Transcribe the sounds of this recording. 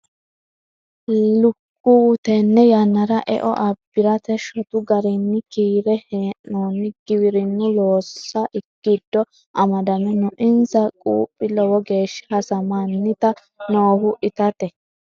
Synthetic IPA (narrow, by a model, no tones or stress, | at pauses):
lʊkːuːt̪ɛnːɛjɐnːɐɾɐʔɛ̰ʔɔ̰ʔɐbːɪɾɐt̪ɛʃɔt̪ʊɡɐɾinːɪkiːɾɛheːʔoːnːɪɡ̥ɪwɪɾɪnːʊloːsːɐʔɪkːɪd̪ːɔ | ʔɐmɐd̪ɐmɛnʊʔɪnzɐkʼṵːpʼːɪlɔwɔɡe̞ːʃːɪ̥hɐsɐmanːɪt̪ɐ | noːhʊʔɪt̪ɐt̪ɛ